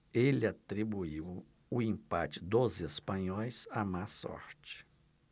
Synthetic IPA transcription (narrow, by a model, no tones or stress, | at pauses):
elɪat̪ɾibuiw | ʊĩpa̰t͡ʃɪd̪ozespɐ̃ɲɔjsamasɔ̰ɾt͡ʃɪ̥